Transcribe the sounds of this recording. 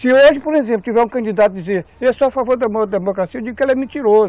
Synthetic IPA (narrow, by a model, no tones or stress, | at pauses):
sɨewoʒɪpoɾezẽp̬lʊt̪ivɛɾũkɐ̃nd̪id̪at̪ɐd̪izeɾɛsoɐfavoɾd̪ɐmoɾd̪ɐd̪emokɾasiɐewd̪iɡukelɛmĩnt̪iɾozu